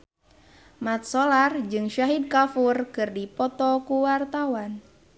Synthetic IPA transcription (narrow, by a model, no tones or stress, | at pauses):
mat̪̚sɔlard͡ʒɨŋʃaɦid̪̚kafurkɨrdipɔt̪ɔkuwart̪awan